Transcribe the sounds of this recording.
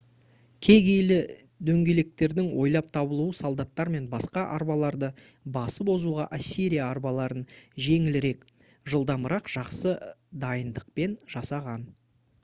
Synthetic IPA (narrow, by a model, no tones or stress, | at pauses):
kʲʰe̞ɡʲe̞jlɪ | d̪ɵŋɡʲe̞le̞k̚t̪e̞ɾd̪ɪŋwo̞jlˠɑp̚t̪ʰɑbəlˠuwəsolˠd̪ɑt̪ːɑɾme̞nbɑsqɑʔɑɾbɑlˠɑɾd̪əbɑsəpo̞zuʁɑ̰ʔasʲːiɾijaːɾbɑlˠɑɾənʒe̞ŋɪlɪɾe̞k | ʒəlˠd̪ɑmbəɾɑqʒ̥ɑqsəd̪ɑjənd̪əq̚pe̞nʒ̥ɑsɑʁɑn